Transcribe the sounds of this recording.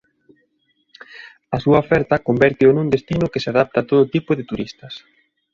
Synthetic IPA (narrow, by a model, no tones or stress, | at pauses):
ɐsuɐofɛɾt̪ɐkombɛɾt̪ɪonund̪est̪inʊkeseaðap̚t̪aːt̪oðot̪ipʊðɪt̪uɾist̪ɐs